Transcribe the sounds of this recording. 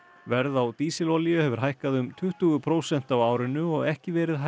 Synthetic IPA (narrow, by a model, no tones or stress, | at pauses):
vɛɾðawt̪iːsɪlɔliʏhɛːvʏɾ̥ɦajhkaðʏmt̪ʰʏht̪ʏɣʏpʰɾoːwsɛn̥t̪awaːwɾɪnːʏɔɣɛhcɪvɛːɾɪðɦa